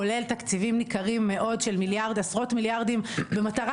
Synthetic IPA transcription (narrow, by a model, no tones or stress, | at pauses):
ole̞lt̪akt͡sivimnikaʁimːe̞ʔo̞dʃe̞lmiljaʁdasʁo̞tmiljaʁd̪imbe̞mat̪aʁa